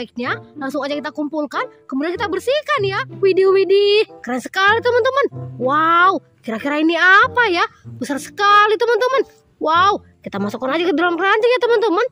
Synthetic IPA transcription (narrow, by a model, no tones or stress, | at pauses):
ik̚ɲalaŋŋsʊŋad͡ʒakit̪akumpulkankəmudiankit̪abərsikanjawideowidikəɾaɲsə̥kalit̪əmənt̪əmənwau | kiɾakiɾainiapajabəsarsə̥kalit̪əmənt̪əmən | wau | kit̪amasokːanad͡ʒakədolaŋraɲd͡ʒajat̪əmənt̪əmən